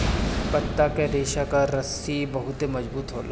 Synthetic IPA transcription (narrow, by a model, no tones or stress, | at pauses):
pɐt̪ːakeɾeːʃakaɾɐsibɐɦʊt̪emɐd͡ʒbuːt̪ɦoːla